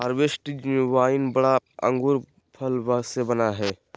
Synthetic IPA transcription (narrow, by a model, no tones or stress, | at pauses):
əɾʋesʈd͡ʒʊʋaːɪnbɐɽaɐ̰̃ŋɡuɾ | pʰɐlʋasebɐnaɦɛː